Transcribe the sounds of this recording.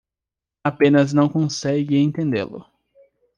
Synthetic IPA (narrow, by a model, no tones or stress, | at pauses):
apẽnɐznɐ̃w̃kõsɛɡɪẽt̪ẽnd̪ḛlʊ̰